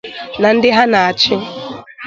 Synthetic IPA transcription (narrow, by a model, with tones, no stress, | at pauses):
na˨n̩˦dɪ˦ɦa˦na˨a˨t͡ʃɪ˦